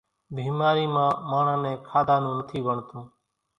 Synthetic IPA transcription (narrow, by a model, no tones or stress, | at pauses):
bʱiːmaːɾiːmãːmaːɳ̤ãːnẽːkʰaːd̪ãːnũːnət̪ʰiːʋəɳt̪ʰũː